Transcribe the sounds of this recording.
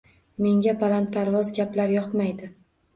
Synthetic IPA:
me̞ŋɡʲapʰalant̪̚pʰaɾvɒzɡʲaplaɾjɒpmajd̪ɪ

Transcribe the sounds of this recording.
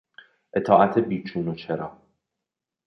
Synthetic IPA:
ʔe̞t̪ʰɒːʔæt̪ʰebiːt͡ʃʰuːnot͡ʃʰeɾɒː

